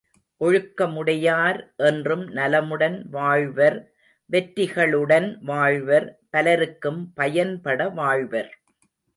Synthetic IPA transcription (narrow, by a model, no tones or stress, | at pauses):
ʔɔɻɯkːɐmɯɽɐjaːɾʔɛndrɯmnɐlɐmɯɽɐnʋaːɻʋɐɾ | ʋɛʈːɪɣɐɭɯɽɐnʋaːɻʋɐɾpɐlɐɾɯkːɯmpɐjɐnpɐɽɐʋaːɻʋɐɾ